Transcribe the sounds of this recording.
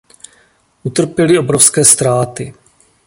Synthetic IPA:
ʔut̪r̩pjɛlɪobɾofskɛːst̪ɾaːt̪ɪ

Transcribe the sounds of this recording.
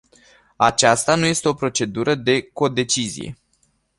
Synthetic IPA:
at͡ʃast̪anuje̞st̪e̞o̞pɾo̞t͡ʃe̞d̪uɾəd̪e̞ko̞d̪e̞t͡ʃizḭje̞̰

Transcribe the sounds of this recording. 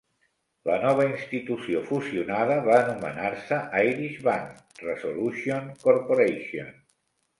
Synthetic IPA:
lənɔβ̞əinst̪it̪usiofusiunað̞əβaːnumə̰naɾsəʔajɾiʃβaŋk | resolusionkoɾpoɾejʃio̰n

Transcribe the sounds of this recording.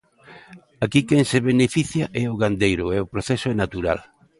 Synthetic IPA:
akikeŋseβenefiθjaʔɛʊɣand̪ejɾʊɛʊpɾoθɛsʊɛnat̪uɾa̰l

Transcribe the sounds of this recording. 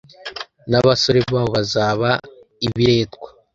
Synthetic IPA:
naβaso̞ɾe̞βaːβo̞βazaːβa | iβiɾe̞ːtɡwḁ

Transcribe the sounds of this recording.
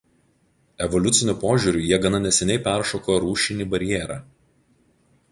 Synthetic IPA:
ɛʋɔlʲʊt̪sʲɪnʲʊˑpoːʒʲuːɾʲʊˑjiɛɡɐnɐnʲɛsʲɛnʲɛɪpʲæˑɾʃoːkoːjɾuːʃʲɪnʲiːbɐɾʲɪjɛːɾɑː

